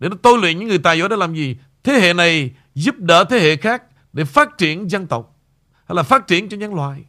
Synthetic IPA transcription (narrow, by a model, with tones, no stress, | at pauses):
ɗe˧˩nɔ˨˦t̪o˧jlwḭ˧˨nɲɨ̰˧˥ŋɨ˨˩əjt̪a̰ː˧˨jzɔ̰˧˨˦ɗa˧˦laː˨˩mzi˨˩ | t̪ʰe˨˦hḛ˧˨na˨˩j | zu˦˥p̚ɗə̰ː˧˦t̪ʰe˨˦hḛ˧˨xaː˦˥k̚ | ɗe˧˩faː˦˥t̚t͡ɕi˧˩ənzə˧nt̪ə˨˩wk͡p̚ | ha˧jlaː˨˩faː˦˥t̚t͡ɕi˧˩ənt͡ɕɔ˧ɲa˨˦ŋlwa̰ː˧˨j